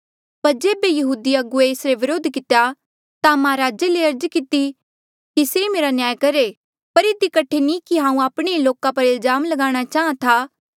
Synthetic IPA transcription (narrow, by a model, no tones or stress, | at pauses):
pɐɾd͡ʒeːbejɐɦuːd̪iɐɡueːsɾeʋɪɾoːd̪ʱkɪt̪eja | t̪amãɾaːd͡ʒeleɐɾd͡ʒkɪt̪i | kisemeːɾanjaːjkɐɾe | pɐɾɪd̪ikɐʈʰenĩkiɦãːũaːpɽ̃eiloːkapɐɾɪlzaːmlɐɡaːɽ̃at͡ʃaːãt̪ʰaː